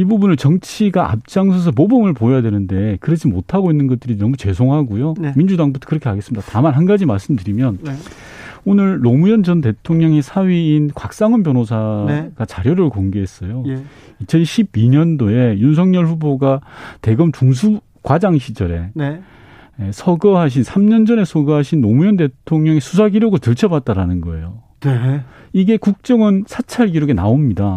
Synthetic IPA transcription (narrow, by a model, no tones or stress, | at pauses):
ibubunɯɭt͡ɕʌŋt͡ɕʰiɡaʔa̰p̚t͡ɕ͈aŋsʰʌs̬ʰʌpobɯmɯɭpojojadwe̞nɯnde̞kɯɾed͡ʑimotʰaɡoinːɯnɡʌt̚t͈ɯɾinʌmut͡ɕe̞sʰoŋɦaɡujomind͡ʑudaŋbutʰo̥kɯɾʌkʰeɦaɡes͈ɯmid̥atamanɦanɡad͡ʑimaɭs͈ɯmdɯɾimjʌn | onɯɭːomujʌnd͡ʑʌnt̬e̞tʰoŋɲʌŋesʰaɥiːnkwak̚s͈aŋʌnpjʌnosʰaɡ̥at͡ɕaɾjoɾɯɭkoŋɡeɦe̞s͈ʌjoit͡ɕʰʌnɕʰibiɲʌndoe̞junsʰʌŋɲʌɭɸuboɡate̞ɡɯmt͡ɕuŋs̬ʰu | kwad͡ʑaŋɕʰid͡ʑʌɾe̞̰n | esʰʌɡʌɦaɕ̬ʰinsʰamɲʌnd͡ʑʌne̞sʰʌɡʌɦaɕʰinːomujʌnde̞tʰoŋɲʌŋesʰus̬ʰaɡiɾjoɡɯɭtɯɭt͡ɕʰʌbat̚t͈aɾanɯnɡʌe̞jo | ne | iɡe̞kuk̚t͡ɕ͈ʌŋɯnsʰat͡ɕʰaɭɡiɾoɡena̰omɲida